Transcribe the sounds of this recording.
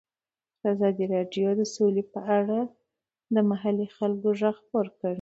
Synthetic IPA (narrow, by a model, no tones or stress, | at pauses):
d̪əazɑd̪iɾɑɖjod̪əsolepəʔaɽa | d̪əmaɦalixalɡoʒaɣpoɾkəɽ